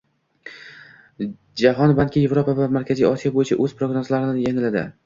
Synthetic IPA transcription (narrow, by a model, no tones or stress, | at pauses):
d͡ʒaɦɒnbankʲɪje̞vɾopʰavamaɾkʲʰazijɒsijabojɪt͡ʃʰaʔɵz̥pɾoɡnozlaɾɪnɪjeŋɪlad̪ɪ̰